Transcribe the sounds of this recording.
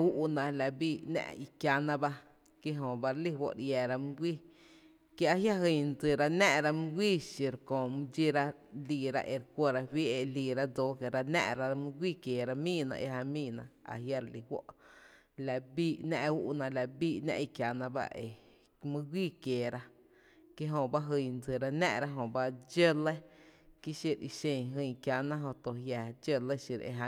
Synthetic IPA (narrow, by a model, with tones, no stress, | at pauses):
u˦ʔnã˧˨la˨biː˦˧˨nɛ̰̃˦˧ʔi˧kja˧nã˧ba˧ | ki˦ɦõ˨ba˧ɾli˦wo̰˦ʔɾja˨ɾa˧m˦ɡʷiː˦ | ke˦a˧ɦja˦ɦi˧˨˧nd͡zɨ˨ɾa˧nɛ̃˦ɾa˧mu˦ɡʷi˦ʃi˨ɾkõ˨m˦d͡ʒi˦ɾa˦ | li˧ɾa̰˧ʔe˨ɾkʷo˧ɾa˧wi˦e˧li˨ɾa˦d͡zo˧˦ke˨ɾa˧nɛ̰̃˦˧ɾa˧mũ˦ɡʷiː˦kje˨ɾa˧mĩ˦nã̰˧ʔḛ˧ɦa˧mĩː˦˨nã˧a̰˨ɦja˧ɾli˨hwo̰˦ʔ | la˨ʔbiː˦˧ʔnɛ̰̃˧ʔu˦ʔnã˧la˧˨biː˦˨ʔnã̰˧ʔi˧kja˨nã˧ba̰˦ʔe˨ | mĩ˦ɡʷiː˦˨kjeː˨ɾa˦ | ke˦ɦõ˧ba˦ɦɨ˧˨nd͡zɨ˨ɾa˧nɛ̰̃˧ʔɾa˦ɦõ˧˨ba˦d͡ʒə˦le˦ki˦ʃi˧ɾḭ˧ʃẽ˧˨ɦɨ̃˧˨kja˨nã˦ɦõ˧t̪o˧˨ɦja˧d͡ʒə˦le˦ʃi˧ɾḛ˧˨ɦa˧